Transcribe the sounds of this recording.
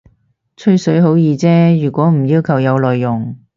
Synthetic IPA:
t͡sʰɵ˥ɥsɵ˨˥ɥɦo˨˥wjiː˨˧t͡sɛː˥jyː˨˩kʷɔː˨˥m̩˨˩jiː˧wkʰɐ˨˩wjɐ˨˧wlɔː˨jːʊ˨˩ŋ

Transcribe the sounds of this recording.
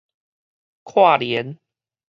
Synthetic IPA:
kʰwa˥˨ljɛ˨˦n

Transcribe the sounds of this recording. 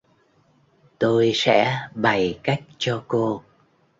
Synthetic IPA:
t̪o˧jsɛ̰˧˥ɓa˨˩jka˦˥jk̟̚t͡ɕɔ˧ko˧

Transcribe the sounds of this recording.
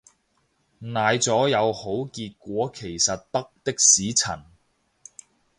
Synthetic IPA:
naː˨˧jt͡sɔː˨˥jɐ˨˧who˨˥wkiː˧t̚kʷɔː˨˥kʰe˨˩jsɐ˨t̚t̪ɐ˥k̚t̪ɪ˥k̚siː˨˥t͡sʰɐ˨˩n

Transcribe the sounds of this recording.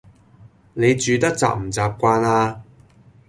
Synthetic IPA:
ne˨˧jt͡ʃyː˨˧t̪ɐ˥k̚t͡sa̰ː˨˩p̚m̩˨˩t͡saː˨p̚kʷaː˧naː˧

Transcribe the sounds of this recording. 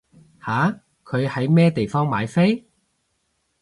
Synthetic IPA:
haː˨˥ | kʰɵ˨˧ɥhɐ˨˥jmɛː˥t̪e˨jfɔː˥ŋmaː˨˧jfe˥j

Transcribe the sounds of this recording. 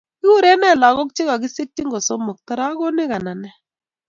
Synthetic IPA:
kɪ˦u˦ɾɛ˦nɛ˦˨la˨ɣɔ˦k̚t͡ʃi˦ɣa˨ɡi˦se˦k̚ti˦ŋɡɔ˨sɔ˦mɔ˨k̚ta˦ɾa˦ɣɔ˦nɪ˦ɣa˨na˨nɛ˦

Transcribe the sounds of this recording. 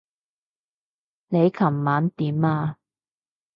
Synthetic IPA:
ne˨˧jkʰɐ˨˩mːaː˨˥nt̪iː˨˦maː˧

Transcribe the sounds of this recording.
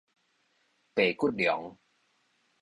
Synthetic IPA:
pe˨˩ku˥t̪̚djɔ˨˦ŋ

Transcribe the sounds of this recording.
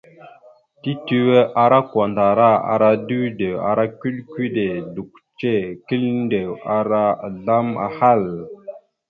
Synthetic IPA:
ti˦ti˦we˦ʔa˨ɾa˦kwa˨nda˨ɾa˦a̰˨ɾa˨du˦de˨a̰˨ɾa˦ki˦ɗki˦de˨du˨k̚t͡ʃe˦˨ki˦lnde˨wa˨ɾa˦˨ɮa˦ma̰˨ha˦˨l

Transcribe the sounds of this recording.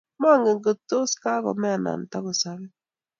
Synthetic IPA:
ma˦ŋɡe˨ŋɡə˨tːo˦ska˦kɔ̰˨mɛ˦a˨na̰˨n˨ta˦ku˨sa˨βɛ˦

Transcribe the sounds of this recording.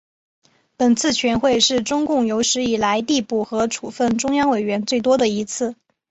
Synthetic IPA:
pə˨˩nt͡sʰɹ̩˥˩t͡ɕʰɥɛ˧˥nxwe˥˧ɪʂɻ̩˥˩ʈ͡ʂʊ˥ŋkʊ˥˩ŋjo˧˥ʊʂɻ̩˧˥i˨˩la˧˥ɪt̪i˥˧pu˥˩xɤ˧˥ʈ͡ʂʰu˨˩fə˥˩nʈ͡ʂʊ˥ŋjɑ˥ŋwe˨˩ɪɥɛ˧˥nt͡swe˥˩ɪt̪̬wɔ˥d̪ə˨i˧˥t͡sʰɹ̩˥˩

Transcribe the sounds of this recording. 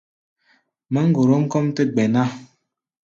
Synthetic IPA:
mə˦ŋ̩˦ɡo˨ɾo˦ŋ̩˦kɔ˦m˦tə˦ɡ͡be˨na˦

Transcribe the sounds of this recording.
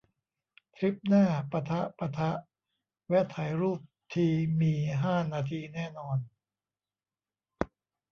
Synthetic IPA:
t̪ʰɾi˦˥p̚naː˥˩pa˧t̪ʰa˦˥ʔpa˧t̪ʰa˦˥ʔ | wɛ˦˥t̪ʰa˩˦jɾuː˥˩p̚t̪ʰiː˧miː˧ɦaː˥˩naː˧t̪ʰiː˧nɛː˥˩nɔː˧n

